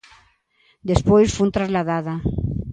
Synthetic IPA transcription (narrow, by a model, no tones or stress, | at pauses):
d̪espwojsfunt̪ɾazlaðaða